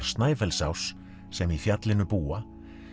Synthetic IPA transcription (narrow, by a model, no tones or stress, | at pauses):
st̪naːjfɛlsawsː | ɛmifjat̪lɪnʏpuːa